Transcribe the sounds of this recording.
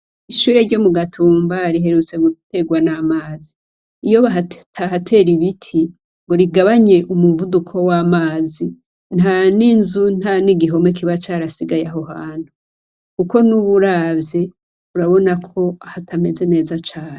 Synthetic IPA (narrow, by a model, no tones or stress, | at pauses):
iʃuːɾe̞ɾɟo̞muɡatʰuːmbaɾiɦe̞ɾut͡se̞ɡute̞ɡwanamaːziː | jo̞βataɦatʰe̞ɾiβitʰi | ŋɡo̞ɾiɡaβaɲe̞ʔumuvudukʰo̞waːmaːzi | n̥haninzun̥haniɡiɦo̞mek̬iβat͡ʃaɾasiɡajaɦo̞ɦaːn̥u | kuko̞nuβuɾabje̞ | uɾaβo̞nakʰo̞ahatʰame̞ze̞ne̞ːzat͡ʃaːne